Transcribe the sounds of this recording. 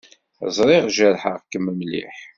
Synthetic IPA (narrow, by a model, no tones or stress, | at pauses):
zˤɾˤɪʁʒəɾħəʁkːəmːəmlḭħ